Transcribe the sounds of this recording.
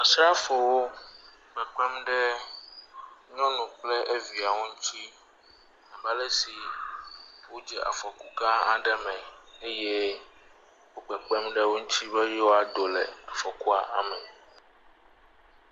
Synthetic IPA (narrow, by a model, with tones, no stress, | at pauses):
a˨sɾa˦fo˨wo˦ | ɡ͡bɛ˨k͡pɛ˦mɖɛ˦ | ɲɔ̃˦nũ˨k͡plɛ˦ʔe˦vi˨a˨wo˦ŋũ˦tʰi˦ | a˨ba˦lɛ˦si˨ | wo˦d͡ʒɛ˨ʔa̰˨fɔ˨ku˦kã˦a̰˨ɖɛ˨mɛ̃˨e˦jɛ˦ | wo˦ɡ͡bɛ˨k͡pɛ˦mɖɛ˦wo˦ŋũ˦t͡ɕ̪ʰi˦bɛ˦jɛ˦wo˦a˨d̪o˨lɛ˨a˨fɔ˨ku˦a˨ʔa̰˨mɛ˨